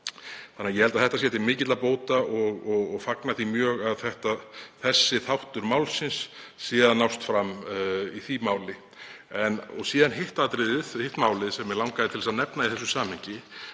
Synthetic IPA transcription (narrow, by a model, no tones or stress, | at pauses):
θanːajɛhɛlt̪aθɛht̪as̬ɛt̪ʰɪmɪːcɪt̪lapoːwt̪aʔɔɣɔɣɔɣfaknaθimjœːɣaðθɛht̪aθɛsːɪθawht̪ʏɾmaːwlsɪnsːiːðanawst̪fɾamiθimaːwlɪ | ɛnɔɣsiːðanɦɪht̪aðt̪ɾɪːðɪðhɪht̪maːwlɪðsɛmːɛlawŋkaðɪt̪ʰɪlɛsaðnɛpnaiθɛsːʏsaːmhɪɲcɪ